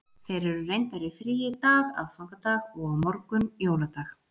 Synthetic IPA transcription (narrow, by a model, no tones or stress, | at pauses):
θejɾɛɾʏrejnt̪aɾɪfɾiːjɪt̪aːɣa̰ðfɔkat̪aːɣɔɣaðmɔɾkʏnjowlat̪ax